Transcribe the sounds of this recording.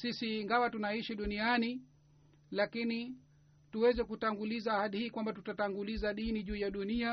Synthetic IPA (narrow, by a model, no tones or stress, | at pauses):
sisiːŋɡawatunaiʃiɗuniani | lakini | tuwɛzɛkutaŋɡulizaːhaɗihiːkwambatutataŋɡulizaɗiniʄuːjaɗunia